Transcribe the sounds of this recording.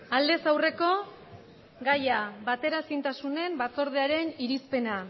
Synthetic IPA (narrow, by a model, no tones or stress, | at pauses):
ald̪e̞sawre̞ko̞ | ɡajaβat̪e̞ɾasint̪asune̞mbat͡so̞ɾð̞eaɾe̞niɾispe̞na